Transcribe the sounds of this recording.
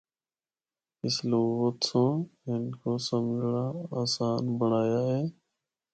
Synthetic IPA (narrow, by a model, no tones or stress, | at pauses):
ɪsloːʋət̪sõːɦɪnkoːsəmɡʱɽaːaːsaːnbəɳaːjaːɦeː